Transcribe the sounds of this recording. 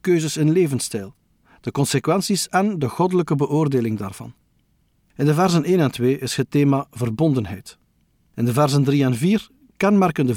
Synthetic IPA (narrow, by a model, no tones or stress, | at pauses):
køːzəsɪnleːvənstɛjlˠ | d̥əkɔnsekwɛnsisɛndəɣɔdələkəbəʔoːrdeːlɪŋda̰ːrv̥ɑ̰n | ɪndəvɛrzəneːnɛntweːʔɪshətːeːmaːvərbɔndənɦɛjt | ɪndəvɛrzəndriɛnviːr | kɛnmɛrkəndə